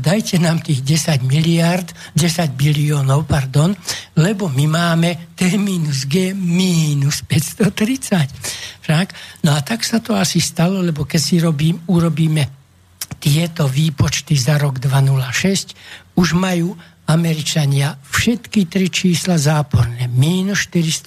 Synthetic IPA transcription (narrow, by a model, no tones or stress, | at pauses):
d̪ajcɛnaːmt̪iːɣɟɛsaɟmiliaɾd̪ɟɛsaɟbiliɔːnɔʊpaɾd̪ɔnlɛbɔmimaːmɛt̪ɛmiːnuzɡɛːmiːnuspɛcst̪ɔt̪ɾit͡sacfʃaɡnɔat̪aksat̪ɔasist̪alɔlɛbɔkɛcsiɾɔbiːmuɾɔbiːmɛ | t̪ɪɛt̪ɔʋiːpɔt͡ʃt̪izaɾɔɡd̪ʋanulaʃɛscuʒmajuː | amɛɾit͡ʃaɲɪafʃɛt̪kit̪ɾit͡ʃiːslazaːpɔɾnɛːmiːnusʃt̪iɾist̪